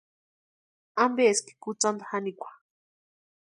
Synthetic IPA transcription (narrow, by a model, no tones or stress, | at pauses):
ambeski̥kut͡sand̪ahanikʷḁ